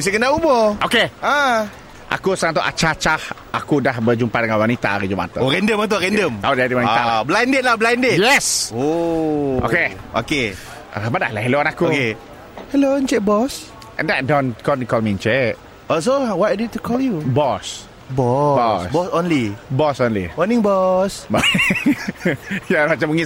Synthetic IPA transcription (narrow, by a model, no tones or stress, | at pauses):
s̬ikənaubɔokea | ʔa̰kusəat̪ɔʔa̰t͡ʃat͡ʃah | akudahbəd͡ʒumpadəŋanwanit̪a̰aɾid͡ʒuma̰t̪ə̰ɾɛndəmat̪̬oɾɛndəmadandəmwanialablajndɪt̪̚lahbəlajndɪjɛso | ʔo̰keo̰kḛ | badahlaɦɛlonakuke | hɛlont͡ʃɛk̚bɔs | ʔɛ̰ndaʔ̚dɔnkɔnikɔlmint͡ʃɛʔ̚ | ɔs̬owatadetːukʰɔljubɔs | bɔbɔsbɔsonlibɔsonlḭwanĩŋbɔsb | jamat͡ʃamuŋi